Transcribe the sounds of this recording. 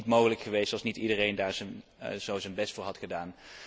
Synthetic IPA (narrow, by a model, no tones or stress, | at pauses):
tmowχələkχəʋejstɑlˠsnitidərejndaːɹzənz̥owzənbɛstfʊːɹɦɑtχədaːn